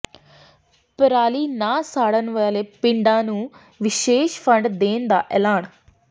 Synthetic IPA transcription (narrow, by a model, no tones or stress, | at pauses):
pəɾaːliːnaːsaːɽənʋəaːleːpɪ̃ɳɖãːnũː | ʋɪʃeːʃfʰə̃ɳɖd̪eːnd̪a̰ːʔɛːlaːɳ